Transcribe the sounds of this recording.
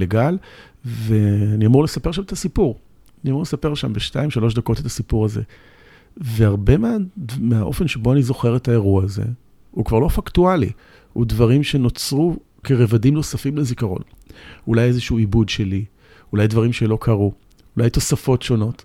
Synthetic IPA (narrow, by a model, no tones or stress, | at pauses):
leɡal | veaniamuʁle̞sape̞ʁʃametasipuʁ | aniamuʁlesape̞ʁʃambeʃtaimʃalo̞ʃ̬dako̞tetasipuʁaze̞̰ | veaʁbe̞meameaʔo̞fe̞nʃe̞bo̞anizo̞χe̞ʁetae̞ʁuaːze̞̰ | hukvaʁlo̞faktualḭ | udvaʁimʃe̞no̞t͡sʁu | keʁevadimno̞safimlezikaʁo̞̰nulajezeʃuuibudʃe̞li | ulajdvaʁimʃe̞lo̞kʰaʁu | ulajto̞safo̞tʃo̞no̞t